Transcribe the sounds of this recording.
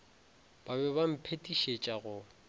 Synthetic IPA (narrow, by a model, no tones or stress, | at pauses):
b̥abɛbam̩pʰetʼiʃet͡ʃʼaɣʊ